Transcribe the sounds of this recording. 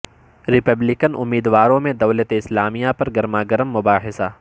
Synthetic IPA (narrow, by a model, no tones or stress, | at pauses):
ɾɪpəblɪkənʊ̰mːiːd̪waːɾõmẽd̪ɐwlət̪eɪslaːmijapɐɾɡɐɾmaːɡəɾəmːʊbaːɦɪsaː